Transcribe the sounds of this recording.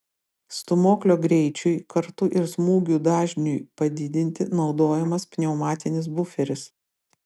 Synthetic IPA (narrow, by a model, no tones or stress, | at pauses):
st̪ʊmoːklʲoːɡɾʲɛɪt͡ʃʲʊɪkɐɾt̪ʊʔɪɾsmuːɡʲuːd̪ɑːʒʲnʲʊjpɐd̪ʲɪd̪ʲɪnʲt̪ʲɪnɒʊd̪oːjɛmɐspʲnʲɛʊmɑːt̪ʲɪnʲɪs̬bʊfʲɛɾʲɪs